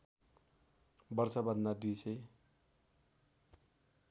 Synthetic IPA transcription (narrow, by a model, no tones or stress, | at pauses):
bʌrsʌbʌnd̪ad̪ujsʌj